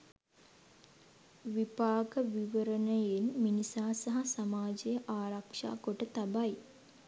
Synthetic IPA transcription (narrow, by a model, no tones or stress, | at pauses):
ʋipaːɡəʋiʋəɾənəjenminisaːasaɦasamaːd͡ʒejəʔaːɾakʂa̰ːɡoʈət̪abaj